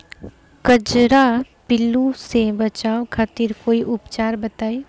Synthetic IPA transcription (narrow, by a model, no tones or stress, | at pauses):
kəd͡ʒɾapɪlũsebɐt͡ʃaːokʰaːt̪iɾkoːiʔʊpt͡ʃaːɾbɐt̪aːeː